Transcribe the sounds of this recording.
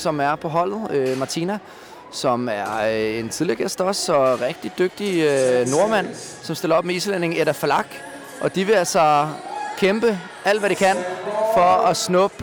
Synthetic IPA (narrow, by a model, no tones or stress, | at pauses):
sɒ̽mæɐpʰɒ̽ɦɒ̽l̰ð̩ˠømɑ̈t͡sʰinæ | sɒ̽mæɐe̝nt͡sʰiðˠliɐɡ̥esd̥ɒ̽sɒ̽ʁɛɡ̥̚d̥id̥øɡ̥̚d̥iøno̝ɐmæn̰ | sɒ̽msd̥e̝lɐɒ̽b̥meislen̰e̝ŋeɾæflɑ̈ɡ̥ | ʔɒ̽d̥iʋe̝ælsɑkʰemb̥ə | ʔæl̰d̥ʋæɾ̥ikʰæn̰fɒ̽ɒsnɔb̥